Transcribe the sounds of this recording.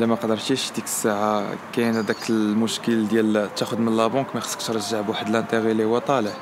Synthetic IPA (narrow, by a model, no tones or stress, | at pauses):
læmæqd̪əɾˤʃiʃd̪ikə̥sːaʕakænæd̪ækəmʊʃkəld̪jælt̪ːæxʊd̪mənlɑbɑ̃kmæxə̥sːˤə̥qʃɾˤʒːaʕbwaħəd̪əlʔænt̪ˤæɣiliwæt̪ˤɑləʕ